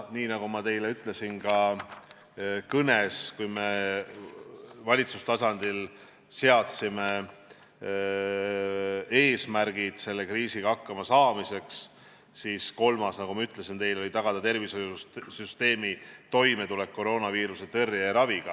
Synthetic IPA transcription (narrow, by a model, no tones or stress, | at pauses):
niːnɑɡumɑt̪e̞jleyt̪ˑle̞sinkɑ | kɤneskujme̞ | vɑlʲit̪sust̪ɑsɑnd̪̥il | se̞ɑt̪sime̞ | e̞ːsmærɡ̥id̪̥se̞lːe̞kriːsiɡ̥ɑɑkːɑmɑsɑːmise̞ks | siːsko̞lmɑsnɑɡ̥umɑyt̪ˑle̞sint̪e̞jlo̞lʲit̪ɑɡ̥ɑd̪̥ɑt̪e̞rviso̞jusyst̪e̞ːmit̪o̞jme̞t̪ule̞k̚ko̞ɾo̞ːnɑviːɾuse̞t̪erːjeɾɑviɡ̥ɑ